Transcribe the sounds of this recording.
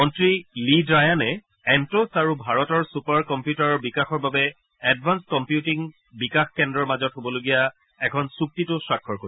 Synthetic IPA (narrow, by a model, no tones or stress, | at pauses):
ɔntɹilidɹajanɛ | ɛntosaɹubʱaɹɔtɔɹsupaɹkɔmpjutaɹɔɹbikaxɔɹbabɛ | ɛdvʱanskɔmpjutiŋ | bikaxkɛndɹɔɹmazɔtɦobɔloɡija | ɛkʰɔnsuk̚titʊsɹakʰːɔɹko